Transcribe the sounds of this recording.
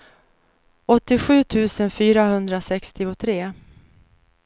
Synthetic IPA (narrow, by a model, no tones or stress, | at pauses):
ɔt̪ːɪɧʉ̟ːt̪ʰʉ̟ːsənfyːɾahɵnd̪ɾasɛkst̪ɪʊt̪ʰɾeː